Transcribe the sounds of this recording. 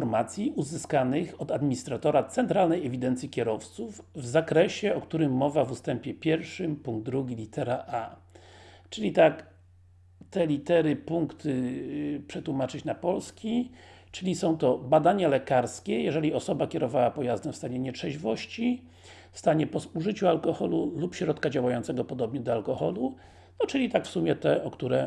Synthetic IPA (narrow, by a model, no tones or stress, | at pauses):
ɔɾmat̪sʲjiuzɘskanɘxɔd̪ad̪mʲiɲist̪ɾat̪ɔɾat̪sɛnt̪ɾalnɛjɛvʲid̪ɛnt̪sʲjikʲɛɾɔft̪suvvzakɾɛɕɛɔkt̪uɾɘmːɔvavust̪ɛmpʲjɛpʲjɛɾfʂɘmpuŋɡ̚d̪d̪ːɾuɡʲilʲit̪ɛɾaʔa | t͡ʂɘlʲit̪ak | t̪ɛlʲit̪ɛɾɘpuŋkt̪ɘpʂɛt̪wumat͡ʂɘt͡ɕnapɔlskʲi | t͡ʂɘlʲisɔ̃w̃t̪ɔbad̪aɲalɛkaɾskʲɛjɛʐɛlʲiɔsɔbakʲɛɾɔvawapɔjazd̪ɛmfst̪aɲɛɲɛtʂɛʑvɔɕt͡ɕi | fst̪aɲɛpɔsuʐɘt͡ɕualkɔxɔlulupɕɾɔt̪kad͡ʑawajɔnt̪sɛɡɔpɔd̪ɔbɲɛd̪ɔalkɔxɔlu | nɔt͡ʂɘlʲit̪akfsumʲjɛt̪ɛʔɔkt̪uɾɛ